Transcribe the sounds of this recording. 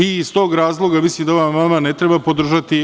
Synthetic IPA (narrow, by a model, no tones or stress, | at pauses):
iːst̪o̞ːɡɾaːzlˠo̞ɡamisimd̪aʋamːamane̞t̪ɾebapo̞d̪r̩ʒat̪i